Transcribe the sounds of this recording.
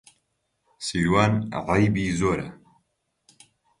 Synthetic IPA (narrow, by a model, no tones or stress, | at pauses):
siːɾwaːnʕɑjbiːzoːɾɐ̰